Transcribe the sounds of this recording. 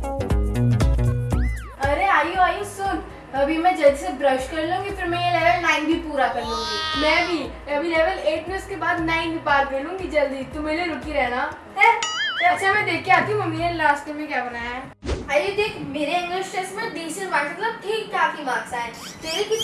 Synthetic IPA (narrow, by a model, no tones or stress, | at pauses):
ɐɾeaːjoaːjõsʊn | ɐbʱimɛ̃d͡ʒɐld͡ʒsebɾɐʃkɐɾlũũŋɡipʰɐɾmẽjelɛːʋlnãːɪ̃nbʱipuːɾakɐɾlũːŋɡimɛ̃bʱi | ɐbʱilɛːʋəleːʈmɪnɐʊskebaːd̪naːĩnipaːɾkɐɾlũːŋɡid͡ʒɐld̪it̪omeːleɾʊkiɾɛɦna | ɛt̪oɐtːʃʰamɛ̃d̪eːkʰːeaːt̪iũomeːɾelaːsʈəmẽkʲjaːbɐnaːjaɛː | ajed̪eːkʰmeːɾeɪ̃ŋɡlɪʃʈesmẽɖiːʃənʋaːmɐt̪ləb̚ʈʰiːkːaːfibaːt̪saːɛ | t̪eːɾeki